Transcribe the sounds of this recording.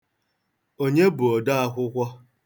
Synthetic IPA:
o˦ɲe˦bʊ˨ɔ˨da˦a˦kʷʊ˦kʷɔ˦

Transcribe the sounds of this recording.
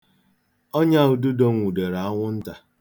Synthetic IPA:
o˦ɲa˦u˨du˦do˦ŋ̩ʷ˨u˨de˨ɾa˨a˦ŋʷʊ˦n̩˦ta˨

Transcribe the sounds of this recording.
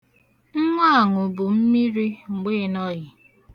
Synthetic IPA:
ŋ̩˦ŋʷa˦a˨ŋʊ˨bʊ˨m̩˦mi˦ɾi˦ŋ̩˨ɡ͡be˦nɔ˦jɪ˨

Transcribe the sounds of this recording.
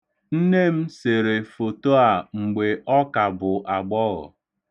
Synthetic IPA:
n̩˦ne˦m̩˦se˨ɾe˨fo˨to˦a˨ŋ͡m̩˨ɡ͡be˨ʔɔ˦ka˨bʊ˨ʔa˨ɡ͡bɔ˦ɣɔ̰˨

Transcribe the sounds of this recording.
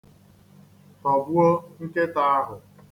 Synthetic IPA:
tɔ˨bu˦o˦ŋ̩˦ke˦ta˦a˦ɦʊ˨

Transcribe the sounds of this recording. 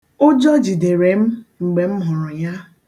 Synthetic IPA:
o˦d͡ʒɔ˦d͡ʒi˨de˨ɾe˨m̩˦ŋ͡m̩˨ɡ͡be˨m̩˦ɦʊ˨ɾʊ˨ja˦

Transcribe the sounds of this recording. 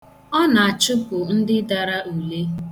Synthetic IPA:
ɔ˦na˨a˨t͡ʃʊ˦pʊ˨n̩˦dɪ˦da˨ɾa˦ʔu˨le˦

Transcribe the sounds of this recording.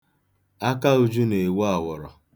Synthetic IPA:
a˦ka˦u˦d͡ʒu˦ne˨wa˦˨wɔ˨ɾɔ̰˨

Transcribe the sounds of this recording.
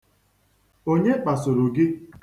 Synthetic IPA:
o˦ɲe˦k͡pa˨so˨ɾo˨ɡɪ˦

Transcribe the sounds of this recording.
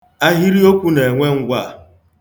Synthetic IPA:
a˦ɦi˦ɾi˦o˦kʷu˦ne˨e˨ŋʷe˦ŋ̩˦ɡʷa˦˨

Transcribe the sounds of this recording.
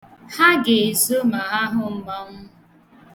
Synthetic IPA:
ha˦ɡe˨e˨zo˦ma˨ɦa˦ɦʊ˨m̩˦ba˦ŋ̩˦

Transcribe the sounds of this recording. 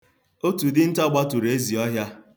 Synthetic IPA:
o˦tu˨dɪ˦n̩˦tɔ˦ɡ͡ba˦tu˨ɾe˦zi˨ɔ˦ɦja˦

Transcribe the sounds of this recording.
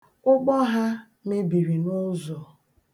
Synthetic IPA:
ʊ˦k͡pɔ˦ɦa˦ | me˦bi˨ɾi˨nʊ˦zɔ˨

